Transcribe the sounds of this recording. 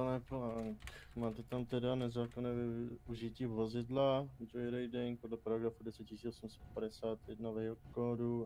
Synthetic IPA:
anɛplaŋkmaːt̪ɛt̪amt̪ɛdanɛzaːkonɛːvɪuʒɪciːvozɪdlad͡ʒojɾɛjdɪŋk̚podlɛpaɾaɡɾafudɛsɛt̪̚cɪsiːʔosumsɛt̪̚padɛsaːt̪jɛdnavɛɦokoːdu

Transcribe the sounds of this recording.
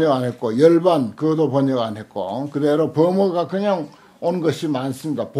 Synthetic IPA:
ɲʌɡanɦe̞t̚k͈ojʌɭbankɯʌdopʌɲʌɡanɦe̞t̚k͈o̰kɯdeɾopʌmoɡakɯɲaŋ | onɡʌɕʰimans͈ɯmɲidapo

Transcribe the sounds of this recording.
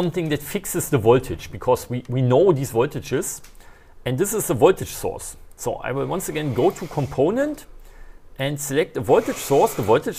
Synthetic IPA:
ʌ̃mθɪ̃ŋðɨtfɪksɨzðəvɔltʰɨ̥d͡ʒb̥ɨkʰɔzwiwinoʊðizvɔltɨd͡ʒɪz̥ | ɛ̃ndðɪsɨzðəvɔlˠtɨ̥d͡ʒ̥sɔ̰ɹsːoʊʔa̰ɪwɪlˠwʌ̃nsəɡɛ̃nɡoʊtʰukʰɔ̃mpʰõʊ̃nə̃nt | ʔɛ̃ndsəlɛk̚təvɔlˠtɨ̥ʒ̥sɔɹsðəvɔltɨd͡ʒ

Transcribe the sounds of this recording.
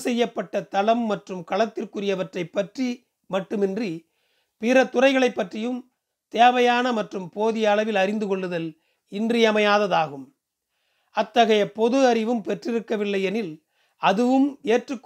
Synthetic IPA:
sɛjːɐpːɐʈːɐt̪ɐlɐmːɐʈrɯmkɐɭɐt̪ːɪrkɯrɪjɐʋɐʈrɐɪpːɐʈri | mɐʈːɯmɪndri | pɪɾɐt̪ʊrɐɪɣɐɭɐɪpːɐʈrɪjɯm | t̪eːʋɐjaːnɐmɐʈrɯmpoːðɪjɐːlɐʋɪlɐɾɪnd̪ɯkɔɭːɯðɐl | ɪndrijɐmɐjaːðɐðaːɣɯm | ɐt̪ːɐɣɐjɐpɔðɯɐɾɪʋɯmpɛʈrɪɾɯkːɐʋɪlːɐɪɛnɪl | ɐðɯʋɯmeːʈrɯkː

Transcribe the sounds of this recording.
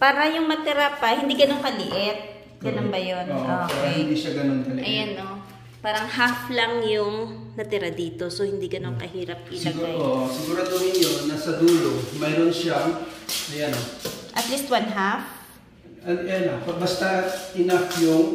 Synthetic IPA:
paːɾɐjʊŋmɐt̪ɪɾapɐhɪnd̪iɡɐno̞ŋkɐlɪʔɪt̪̚ | ɡɐnonbɐjonooːkpaːɾɐhɪnd̪iʃɐɡɐnonkɐlʔɐjanːo | paːɾɐŋɦaflɐŋjʊŋnɐt̪ɪɾad̪iːt̪osohɪnd̪iɡɐno̞ŋkɐhiːɾɐp̚ʔɪlɐɡaoʔsɪɡuːɾad̪oŋɪnonːɐsɐd̪uːlomɛɾonʃaŋʔɐjanoʔɐt̪list̪̚wanɦaf | ʔɐnʔjanopɐbɐst̪ɐʔɪnafjʊŋ

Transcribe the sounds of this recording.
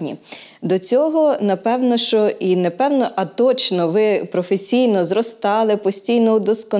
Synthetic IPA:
nʲḭd̪ɔt͡sʲɔɦɔnɐpɛwnɔʃt͡ʃɔʔinɛpɛwnɔʔɐt̪ɔt͡ʃnɔʋɪpɾɔfesʲijnɔzɾɔst̪ɑlˠɪpɔsʲtʲijnɔʊd̪ɔskɔn

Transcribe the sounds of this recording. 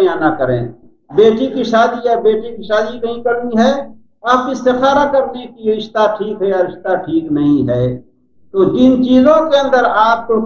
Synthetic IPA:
janakəɾẽː | beːʈikiʃaːd̪iɛbeːʈikiʃaːd̪ikɐɦĩkəɾniɦɛː | aːpkisɪxaːɾakəɾnekijeɪʃt̪aʈʰiːkɦɛjaɐɾɪʃt̪aʈʰiːknɐɦĩɦɛː | t̪oːd͡ʒɪnt͡ʃiːzõkeə̃nd̪əɾaːp̚t̪o

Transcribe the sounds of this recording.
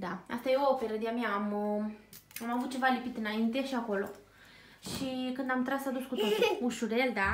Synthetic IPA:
d̪aa̰st̪ajeoofeɾəd̪iameaːm | amavut̪̚t͡ʃe̞valipit̪ɨnaint̪eʃiako̞lo̞ | ʃikɨnd̪amt̪ɾasad̪uskut̪ot̪iuʃuɾd̪ejeld̪a

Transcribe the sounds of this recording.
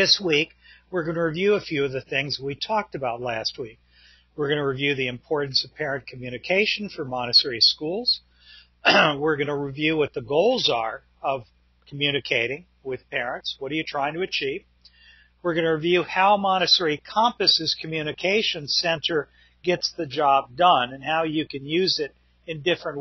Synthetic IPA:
ðɪswikwɪɹɡʌnɨɹivjʉəfjʉʌvðɨθɪ̃ŋz̚witʰɔk̚tɨbaʊtˡlæst̚wik̚ | wɪɹɡʌnɨɹivjʉðiɨ̃mpʰɔɹʔn̩sʌv̥pʰɛɹɨ̃nkʰmjʉñɨkʰeɪʃɨ̃n̩fə˞mɑñɨtʰɛɹiskulˠz̥ | wɪɹɡʌnəɹivjʉwʌt̪̚ðɨɡoʊlˠzə˞ | ʌv̥ | kʰmjʉñɨkʰeɪɾɪ̃ŋ | wɪð̥pʰɛɹɨ̃ntswʌɾə˞jɨtʰɹ̥aɪɪ̃ŋtʰɨɨt͡ʃʰiv̥ | wɪɹɡʌnɨɹivjʉhaʊmɑnɨtʰɛɹikʰɑ̃mpɨsɨz̥kʰmjʉnɨkʰeɪʃɨ̃nsɛ̃ntʰə˞ | ɡ̥ɛtsðɨd͡ʒɑb̚dʌ̃nɨ̃nhaʊjɨkɨ̃njʉzɪɾ | ɨ̃ndɪfɹɨ̃nʔ

